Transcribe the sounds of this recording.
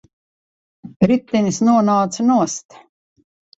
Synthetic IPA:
ɾit̪ːɛnisnuɔnaːt̪sanuɔst̪

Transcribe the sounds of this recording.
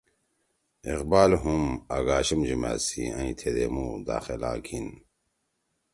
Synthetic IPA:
iqbaːlɦumaɡaːɕɐmd͡ʑima̰ːsiãĩt̪ʰed̪emud̪a̰ːxelã̰ːkʰin

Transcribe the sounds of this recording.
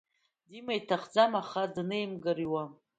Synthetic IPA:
dimajtʰaχd͡zamaχadnejmɡɨriwa

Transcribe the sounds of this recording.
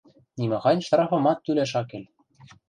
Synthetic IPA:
nʲimɘ̆xɑjnʲʃt̪ɾɑfɤ̆mɑt̪ːylæʃɑkĕlʲ

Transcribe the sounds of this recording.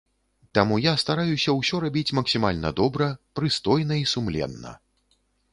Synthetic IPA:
t̪amujast̪aɾajusʲɐwsʲɔɾabʲit͡sʲmɐksʲimalʲnɐ̰d̪ɔbɾɐpɾɨst̪ɔjnɐisumlʲɛ̰nːɐ̰

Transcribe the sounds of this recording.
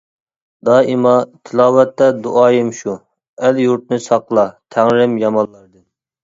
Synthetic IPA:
d̪ɑːimɑt̪ʰɪlˠɑːwɛt̪ːɛd̪uʔɑːjimʃu | æljuɾt̪̚nɨsɑqʰlˠɑt̪ʰæŋɾɪmjɑmɑllˠːɑɾd̪ɨn

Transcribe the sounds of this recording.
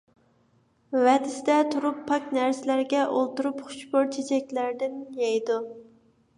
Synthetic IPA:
wɛd̪ɪsɪd̪ɛt̪ʰuɾupʰːɑkʲnæɾsɪlæɾɡʲɛʔolˠt̪uɾupχʊ̥t͡ʃboɾt͡ʃʰet͡ʃʰɛkʲlæɾd̪ɪnjɛjd̪u

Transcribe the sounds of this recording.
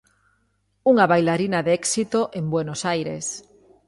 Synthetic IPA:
uŋaβajlaɾinaðeɛksit̪oʔembwenosajɾḛs

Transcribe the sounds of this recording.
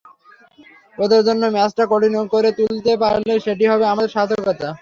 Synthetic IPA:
pod̪aɾd͡ʑonːomɛt͡ɕʈakoʈinokoɾet̪ult̪epaɾleʃeʈiɦɔbeamaeɾʃad̪ʱokɔt̪a

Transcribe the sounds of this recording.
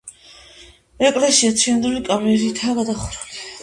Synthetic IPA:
ɛkʼlɛsiat̪sʰiand̪ulikʼamɛɾit̪ʰaːɡad̪aχɾuli

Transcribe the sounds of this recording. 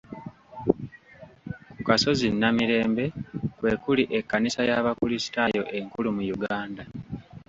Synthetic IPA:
ukaso̞zinːamiɾe̞ːmbe̞kwe̞kuliʔe̞kːanisajaβakulisi̥tajo̞ʔe̞ŋkulumujuɡaːnda

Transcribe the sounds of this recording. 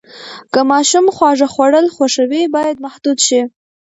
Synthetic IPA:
kəmɑʃumxwɑʐaxwaɽəlxwaʂawibɑjad̪̚mahd̪ud̪ʃi

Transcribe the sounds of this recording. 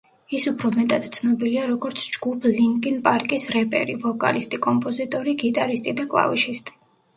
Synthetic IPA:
isupʰɾɔmɛt̪ʼad̪̥t̪sʰnɔbiliaɾɔɡɔɾt̪sʰd͡ʒɡ̥upʰliŋkʼinpʼaɾkʼisɾɛpʼɛ̰ɾivɔkʼa̰list̪ʼikʼɔmpʼɔzit̪ʼɔɾiɡit̪ʼaɾist̪ʼid̪akʼlˠa̰viʃist̪ʼi̥

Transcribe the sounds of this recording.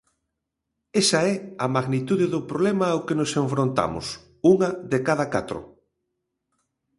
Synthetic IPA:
esɐɛɐmaɣnit̪uðeðʊpɾoβlɛmɐokenoseɱfɾont̪a̰mʊ̰s | uŋɐðekaðɐkat̪ɾʊ̰

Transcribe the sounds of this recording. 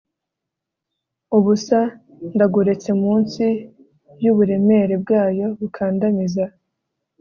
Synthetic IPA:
uβusa | ndaɡuɾe̞t͡se̞muːnsi | bjuβuɾe̞me̞ɾe̞bɡaːjo̞βukʰaːndamiza

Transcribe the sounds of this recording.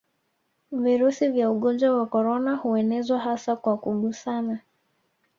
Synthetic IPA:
viɾusivjauɠɔnd͡ʒwawakɔɾɔnahuɛnɛzwaɦasakwakuɓusana

